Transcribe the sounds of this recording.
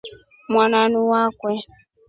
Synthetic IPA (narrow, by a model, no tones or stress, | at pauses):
mʷananʊwakʷɛ